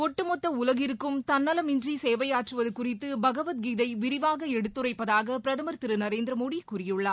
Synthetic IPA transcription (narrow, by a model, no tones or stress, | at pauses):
kɔʈːɯmɔt̪ːɐʊlɐɣɪɾɯkːɯmt̪ɐnːɐlɐmɪndriseːʋɐjaːʈrɯʋɐðɯkʊrɪt̪ːɯbɐɣɐʋɐt̪̚ɡiːðɐɪʋɪɾɪʋaːɣɐɛɽɯt̪ːɯrɐɪpːɐðaːɣɐpɪɾɐðɐmɐɾt̪ɪɾɯnɐɾeːnd̪ɾɐmoːɽikʊrɪjɯɭːɐː